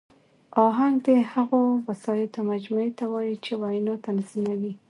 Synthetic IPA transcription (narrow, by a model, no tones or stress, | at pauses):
ɑɦaŋɡd̪ehaɣowasɑjat̪omad͡ʒmuet̪awɑjit͡ʃewajinot̪anzimawi